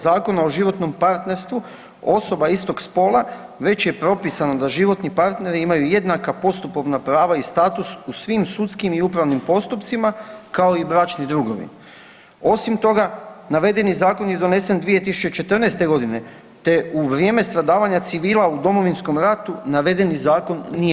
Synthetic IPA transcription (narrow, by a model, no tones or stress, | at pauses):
zaːko̞nao̞ʒiʋo̞t̪no̞mpaɾt̪ne̞ɾst̪ʋu | o̞so̞baist̪o̞ɡspo̞ːlˠaʋe̞t͡ɕje̞pɾo̞pisano̞d̪aʒiʋo̞t̪nipaɾt̪ne̞ɾiimajuje̞d̪nakapo̞st̪upo̞ʋnapɾaːʋaist̪aːt̪ususʋimsut̪skimiupɾaʋnimpo̞st̪upt̪simakao̞ibɾat͡ʃnid̪ɾuɡo̞̰ʋḭn | o̞simt̪o̞ɡanaʋe̞d̪e̞nizaːko̞nje̞d̪o̞ne̞se̞nd̪ʋije̞t̪isu̥t͡ʃe̞t͡ʃe̞t̪r̩nest̪e̞ɡo̞d̪ine̞ | t̪e̞uʋɾje̞me̞st̪ɾad̪aːʋaɲat̪siʋiːlˠaud̪o̞mo̞ʋinsko̞mɾat̪unaʋe̞d̪e̞nizaːko̞nːije